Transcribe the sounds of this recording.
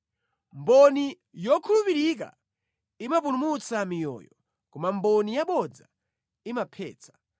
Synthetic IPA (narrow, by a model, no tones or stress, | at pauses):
mbɔni | jɔkʰulupiɾik̬a̰ | imap̬ulumut͡samijɔ̰ːjɔ | kɔmambɔnijaɓɔd͡za | imapʰɛ̰ːt͡sʰḁ